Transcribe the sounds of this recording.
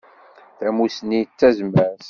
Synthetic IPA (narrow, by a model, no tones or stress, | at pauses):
θæmusnit͡sːæzmæs